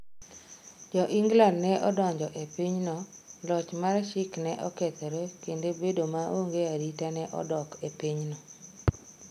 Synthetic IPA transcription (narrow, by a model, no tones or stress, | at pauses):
d͡ʒɔʔiŋɡlandnɛʔɔdɔɲd͡ʒɔʔepiɲnɔlɔt͡ʃmarʃɪknɛʔɔkɛt̪ɔɾekendebedomaoŋɡeaɾitanɛʔɔ̰dɔkepiɲnɔ